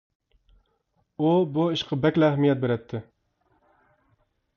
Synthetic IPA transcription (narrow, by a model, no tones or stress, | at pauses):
ubuiʃqʰɑbɛkʲlæhmijɛt̪̚beɾɛt̪ʰːɪ